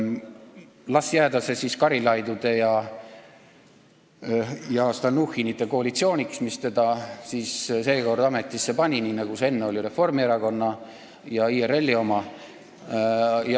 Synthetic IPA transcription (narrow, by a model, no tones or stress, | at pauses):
lɑsjæːd̪ɑse̞siskɑɾilɑjd̪ud̪̥e̞jɑ | jɑst̪ɑnuhinit̪ːˑe̞ko̞ɑlit̪sio̞ːnʲiksmist̪e̞d̪̥ɑsiːsse̞ːko̞rd̪̥ɑme̞t̪ːˑisːe̞pɑnʲininɑkuse̞nːeo̞lʲiɾe̞fo̞rmieɾɑko̞nːɑ | jɑiːere̞lːio̞mɑ | j